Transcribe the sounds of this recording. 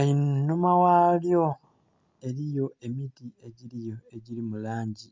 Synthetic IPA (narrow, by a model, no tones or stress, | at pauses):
ainumawaljo̞ | e̞ɾijo̞e̞mitie̞ɟiɾijo̞e̞ɟiɾimulaːɲɟi